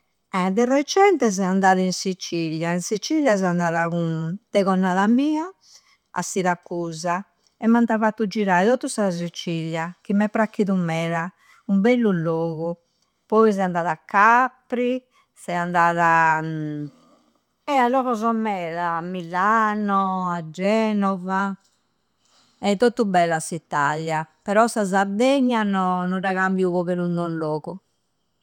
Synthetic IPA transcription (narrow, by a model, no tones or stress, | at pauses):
ɛd̪ɛrɛt͡ʃɛnt̪ɛzɛand̪aːðainsit͡ʃiljainsit͡ʃiʎjazɛand̪aːðaɣunt̪ɛɣɔnːaðamiːa | a̰siɾakːuːza | ɛmːant̪avat̪ːud͡ʒiɾaːiðɔt̪ːust̪az̬it͡ʃiljakimːɛpːɾakːiðumːɛːɾa | umbɛlːulːɔːɣu | pɔizɛand̪aːðakːapːɾi | sɛand̪aːða | ɛalːɔkɔzɔmɛðaːmːilanɔad͡ʒːɛːnɔva | ɛt̪ːot̪ːubɛlːasit̪ːalːjapɛɾɔsazaɾd̪eɲːanɔnɔɾaɣambjiuβɔβeɾunɔloːɣu